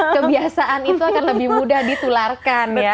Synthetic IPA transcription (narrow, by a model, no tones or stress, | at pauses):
kəbiasaʔanit̪uakanləbɪhmudahdit̪ularkana